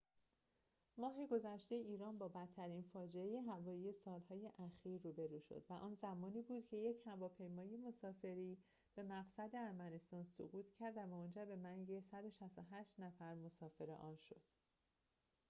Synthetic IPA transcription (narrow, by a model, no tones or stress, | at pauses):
mɒːɦe̞ɡo̞zæʃt̪e̞iːɾɒːnbɒːbæt̪ʰːæɾiːnfɒːd͡ʒeejeɦævɒːjiːjesɒːlhɒːje̞ʔæxiːɾːuːbe̞ɾuːʃo̰d̪væʔɒːnzæmɒːniːbuːd̪̥cʰe̞je̞cʰhævɒːpʰe̞jmɒːje̞mo̞sɒːfe̞ɾiː | b̥e̞mæɣsæd̪e̞æɾmæne̞st̪ɒːnso̰ɣuːt̪ʰcʰæɾd̪væmond͡ʒæɾbe̞mæŋɟe̞sæd̪o̞ʃæst̪oɦæʃt̪næfæɾmo̞sɒːfe̞ɾe̞̰ʔɒːnʃo̞̰d̪̥